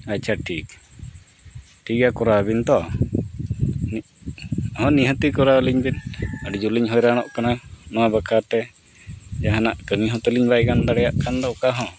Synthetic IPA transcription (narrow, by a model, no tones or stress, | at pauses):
act͡ʃʰaʈʰik | ʈʰikakɔɾabint̪ɔ | n | ɦɔ̃niɦət̪ikɔɾaliɲbinəɖud͡ʒuliɲɦɔjɾañɔʔkananɔwabakʰat̪ɛ | d͡ʒaɦanaʔkəŋiɦɔ̃t̪əliɲbajkand̪aɽɛjaʔkand̪ɔkaɦɔ̃